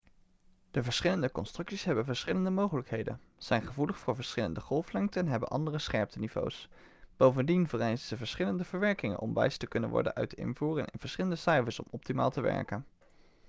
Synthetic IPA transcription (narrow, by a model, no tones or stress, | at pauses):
d̥əvəɹsχɪləndəkɔnstrɵksisɦɛbənvəɹsχɪləndəmowχələkɦejdə̰nz̥ɛjnχəvuləχfʊːɹvəɹsχɪlə̰ndəχɔlˠflɛŋtəɛnɦɛbə̰nʔɑ̰ndərəsχɛɹp̚tənivo̰ws | b̥owvəndinvərɛjzənz̥əvəɹsχɪləndəvəɹʋɛɹkɪŋə̰nʔɔ̰mʋɛ̰jstəkɵnə̰nʋɔ̰ɹdə̰nʔœ̰ɥtɪ̰nvuːrənɪ̰nv̥əɹsχɪləndəsɛjvəsɔ̰mɔp̚tima̰ːlˠtəʋɛ̰ɹkən